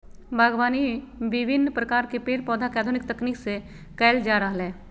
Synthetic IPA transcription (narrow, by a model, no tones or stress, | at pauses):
bʱaːɡʋaːniʋɪbʱɪnːpɾəkaːɾkepeːɾpɔːd̪ʱakaːd̪ʱʊnɪk̚t̪əkniːkse | kɛːld͡ʒaːɾəɦəlɦɛ̃ː